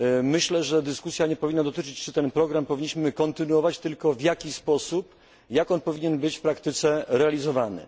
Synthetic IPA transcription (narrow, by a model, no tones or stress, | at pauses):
mɘɕlɛʐɛd̪ɘskusʲjaɲɛpɔvʲinːad̪ɔt̪ɘt͡ʂɘt͡ɕt͡ʂɘt̪ɛnpɾɔɡɾampɔvʲiɲːiɕmɘkɔnt̪ɘnuɔvat͡ɕt̪ɘlkɔvʲjakʲispɔsup | jakɔnpɔvʲiɲɛnbɘt͡ɕfpɾakt̪ɘt̪sɛɾɛalʲizɔvanɘ̰